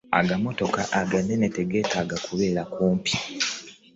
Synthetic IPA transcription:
a̰ɡamo̞to̞kaʔaɡanːe̞ne̞te̞ɡe̞ːtʰaːɡakuβe̞ːɾakuːmpi̥

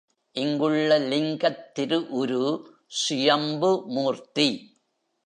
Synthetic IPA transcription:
ʔɪŋɡɯɭːɐlɪŋɡɐt̪ːɪɾɯʔɔɾɯ | sʊjɐmbɯmuːrt̪i

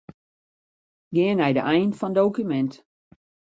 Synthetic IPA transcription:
ɡɪənɛjdəʔɛjnfɔndowkymɛnt

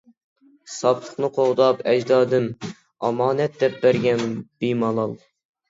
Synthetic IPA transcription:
sɑpt̪ˠʰə̥χnɨqʰoʁd̪ɑpɛd͡ʒd̪ɑːd̪ɨn | ɑmɑːnɛt̪̚d̪ɛp̚bæɾɡʲɛnb̥imɑlˠɑlˠ

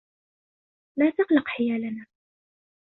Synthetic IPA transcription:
laːt̪aqlɑqħɪjaːlanaː

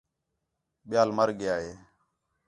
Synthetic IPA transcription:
ɓɪjaːlməɾɠɪjaːɦeː

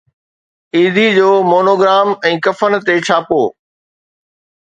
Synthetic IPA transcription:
iːd̪ʱid͡ʑoːmoːnoːɡɾaːmɛ̃ːkɐfənt̪et͡ɕʰaːpoː

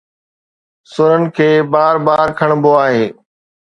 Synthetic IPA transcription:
sʊɾənɪ̆kʰeːbaːɾbaːɾkʰəɽ̃boːaːɦeː

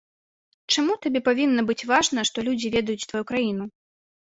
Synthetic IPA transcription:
t͡ʂamut̪abʲɛpavʲinːɐbɨt͡sʲvaʐnɐʂt̪ɔlʲud͡zʲivʲɛd̪ɐjut͡sʲt̪vajukɾajin̪u

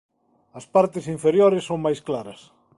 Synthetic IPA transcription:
ɐspaɾt̪ɪsiɱfeɾjoɾɪsːoŋmajsklaɾɐs

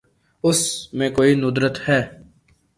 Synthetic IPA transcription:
ʊsmẽkoːinʊd̪ɾət̪hɛː

